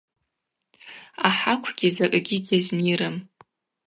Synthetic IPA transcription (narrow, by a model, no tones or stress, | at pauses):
aħakʷʰɡʲizakʼɡʲiɡʲazniɾɨm